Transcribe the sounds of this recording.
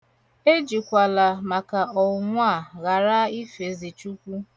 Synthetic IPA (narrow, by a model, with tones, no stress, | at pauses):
e˦d͡ʒi˨kʷa˨la˨ma˨ka˨ɔ˨ŋʷa˦˨ɣa˨ɾa˦i˦fe˨zi˨t͡ʃu˦kʷu˦